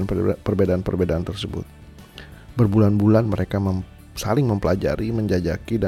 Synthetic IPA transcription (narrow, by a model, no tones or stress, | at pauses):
npərbedaːnpərbedaant̪ərsəbʊ̰t̪̚ | bərbulanbulanməɾekamə | salɪŋməmpəlad͡ʒa̰ɾiməɲd͡ʒad͡ʒakida